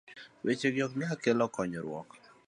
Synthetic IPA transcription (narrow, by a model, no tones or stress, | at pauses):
wʔet͡ʃeɡjɔk̚miakelɔkɔɲɔɾwɔ̰k